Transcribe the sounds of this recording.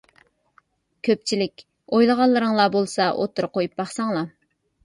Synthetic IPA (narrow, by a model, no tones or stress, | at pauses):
kʲʰøp̚t͡ʃʰilɪkʲ | ojlˠəʁɑlˠːɨɾəŋlˠɑbolˠsɑʔo̰t̪ʰɨɾɨqojup̚bɑχsɑŋlˠɑ